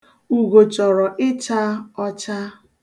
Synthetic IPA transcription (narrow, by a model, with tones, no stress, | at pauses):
u˨ɡo˨t͡ʃɔ˨ɾɔ˨ʔɪ˦t͡ʃa˦ɔ˦t͡ʃa˦